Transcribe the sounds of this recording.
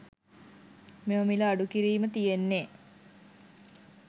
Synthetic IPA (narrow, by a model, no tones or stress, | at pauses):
meməmiləaɖukiɾiːmət̪ijenːeː